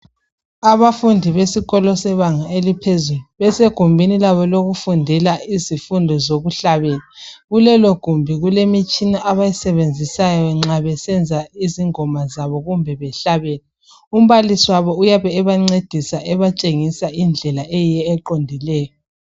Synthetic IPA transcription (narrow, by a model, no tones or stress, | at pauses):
aβafundʱiβesiɣɔlɔsɛβaŋaelipʰezuluβɛseɡ̥ʱumbʱinilaβɔloɣufundʱɛlaizifundʱɔzoɣuɬaβɛlaɣulɛloɡ̥ʱumbʱiɣulemit͡ʃʼinaʔaβajisɛβend͡zʱisajɔɛŋ͡ǁaβɛsɛnd͡zʱaiziŋɔmazaβɔɣumbʱɛβɛɬaβɛlɛ | um̩βalisiwaβɔujaβɛːβaŋ͡ǀed̥ʱisaʔɛβat͡ʃʼeŋisaind͡ɮʱɛlaɛjijɛːǃondʱilɛːjɔ